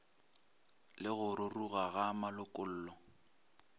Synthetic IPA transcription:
lɪɣʊrʊruɣaɣamalʊkʼʊl̩ːlɔ

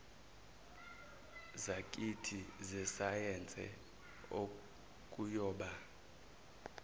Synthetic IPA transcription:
zakʼitʰizɛsajɛnd͡zʱʼɛ̰ | o | kʼujɔːɓa

